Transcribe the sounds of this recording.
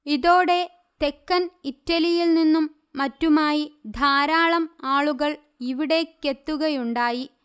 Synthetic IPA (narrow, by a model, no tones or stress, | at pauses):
iðo̞ːɽe̞ | t̪ekːɐnitːɐlijilninːumː | ɐtːumaːjid̪ʱaːɾaːɭɐmaːɭuɣɐɭ | iʋiɽe̞kːe̞t̪ːuɣɐjuɳɖaːji